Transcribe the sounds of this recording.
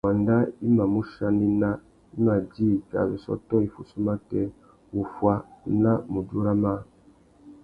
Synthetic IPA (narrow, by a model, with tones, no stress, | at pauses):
wa˨nda˦i˦ma˨mu˦ʃa˦ni˦na˦ | i˦ma˨d͡ʒi˦˨ka̰˨βi˨sɔ̰˦tɔ˦i˨fu˨su˦ma˦tɛ˦ | wu˨fwa˦na˦mu˨d͡ʒu˦ɾa˦ma˦